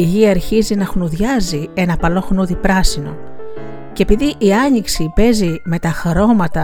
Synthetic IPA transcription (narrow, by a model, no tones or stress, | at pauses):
iʝiɐːɾçizinɐxnuðʝɐzie̞nɐpɐlo̞xnuðipɾɐsino̞̰ | cepiðiʔiɐɲiksipe̞zime̞t̪ɐxɾo̞mɐt̪ɐ